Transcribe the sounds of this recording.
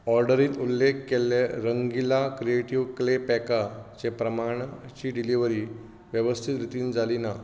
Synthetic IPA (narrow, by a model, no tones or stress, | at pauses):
ɔɾɖəɾiːt̪ulːekːeleɾəŋɡilakɾieʈiʋklepɛkat͡ɕepɾəmaɽ̃at͡ɕiːɖiliʋəɾiː | ʋjəʋəst̪ʰit̪ɾit̪iːnd͡zalina